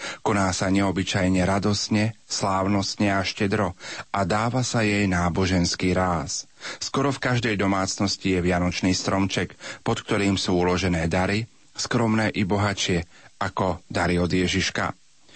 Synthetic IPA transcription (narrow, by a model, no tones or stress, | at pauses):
kɔnaːsaɲɛɔbit͡ʃajɲɛɾad̪ɔstɲɛslaːʊnɔstɲɛaʃcɛd̪ɾɔʔad̪aːʋasajɛjnaːbɔʒɛnskiːɾaːsskɔɾɔfkaʒd̪ɛjd̪ɔmaːt͡snɔscijɛʋɪanɔt͡ʃniːst̪ɾɔmt͡ʃɛkpɔt̪k̚t̪ɔɾiːmsuːulɔʒɛnɛːd̪aɾi | skɾɔmnɛːʔibɔɦat͡ʃɪɛ | akɔd̪aɾiɔd̪jɛʒiʃka̰